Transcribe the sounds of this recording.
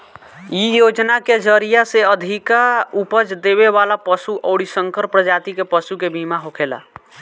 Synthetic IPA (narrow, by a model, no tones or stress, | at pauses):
jijod͡ʒnaked͡ʒəɾijaseəd̪ʱikaupəd͡ʒd̪eβeʋalapəsuʔəʊɽisəŋkəɾpɾəd͡ʒat̪ikepəsukebʱimaɦokʰela̰